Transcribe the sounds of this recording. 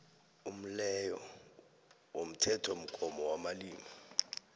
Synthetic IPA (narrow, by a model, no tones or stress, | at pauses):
um̩lɛjɔ | wom̩tʰɛtʰom̩kʼɔmɔwamaliːmi